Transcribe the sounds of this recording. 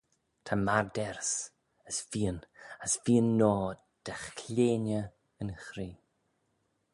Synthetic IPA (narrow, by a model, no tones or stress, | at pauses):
tʰamaɹdɛɾs | əsviːənəsviːənːɔː | d̥ɛχʰleːnjə | ənxɾiː